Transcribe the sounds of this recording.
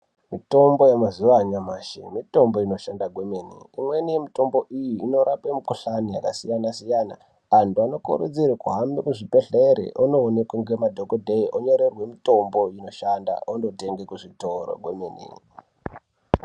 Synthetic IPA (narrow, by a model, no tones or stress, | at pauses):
mito̞mbo̞jemazuʋaɲamaʃḛmito̞mbo̞ino̞ʃandaɡʱwemenḭːmwe̞nijemito̞mbo̞ʔijiːno̞ɾapemikuɬanijakasijanasijana̰ | antuano̞kṵɾud͡ziɾekuɦamekuʐipe̞ɬeɾḛʔonoːnekwaŋɡemadʱokodʱeiʔoɲo̞ɾerwe̞mito̞mbo̞ino̞ʃanda̰ondo̞te̞ŋɡekuʐitoro̰ɡʱwemenḭŋ